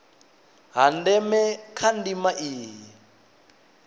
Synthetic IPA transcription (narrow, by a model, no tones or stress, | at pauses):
ɦandɛmɛkʰandimaʔiːɦi